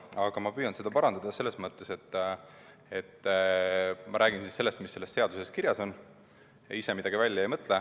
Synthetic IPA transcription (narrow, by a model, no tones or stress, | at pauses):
ɑɡ̥ɑmɑpyjɑnse̞d̪ɑpɑɾɑnd̪̥ɑd̪̥ɑse̞lːe̞smɤt̪ˑːe̞se̞t̪ːˑ | e̞t̪ː | mɑɾʔæːɡ̥insise̞lːe̞st̪misːe̞lːe̞st̪se̞ɑd̪̥use̞skiɾjɑso̞n | jɑ̰ise̞mid̪̥ɑɡ̥ivælʲjɑejmɤt̪ˑle